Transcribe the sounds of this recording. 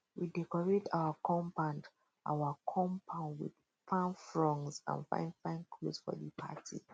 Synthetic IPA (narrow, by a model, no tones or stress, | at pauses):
widɛkɔɹetʰawakʰɔ̃mpãʊ̃nd | ʔa̰wakʰɔ̃mpʰãʊ̃ndwḭd̥ | fãnfɹɔ̃ŋzã̰nfã̰ɪ̃ndfãɪ̃nkʰlozfɔ̰ðipʰa̰tʰḭ